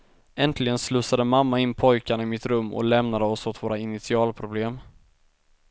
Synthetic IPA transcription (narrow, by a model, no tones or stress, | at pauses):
ɛnt̪ʰlɪɡənslɵːsad̪əmamːaɪnːpʰɔjkaɳaɪmɪt̪ɾɵmːɔ̰lɛmnad̪əɔshʊt̪voːɾaɪnɪt̪sɪɑːlpʰɾʊbleːm